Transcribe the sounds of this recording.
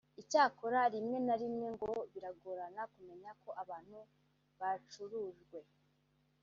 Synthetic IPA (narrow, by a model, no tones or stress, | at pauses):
icaːkoɾaɾimŋe̞naɾimŋe̞ŋɡo̞βiɾaɡoɾanakume̞ɲako̞ʔaβaːn̥hu | βat͡ʃuɾuʒɡwe̞